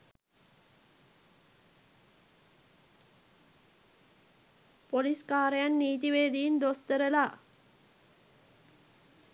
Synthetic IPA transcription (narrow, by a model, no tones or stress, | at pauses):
poliskaːɾɐjanːiːt̪̬iʋeːd̪ijind̪ost̪ɐɾɐlaː